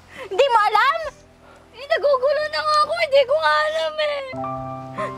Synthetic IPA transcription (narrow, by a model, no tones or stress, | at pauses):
hɪnd̪iːmoʔɐlam | ɛnɐɡuːɡulonɐŋaɐkohɪnd̪iːkoŋaʔɐlamɛ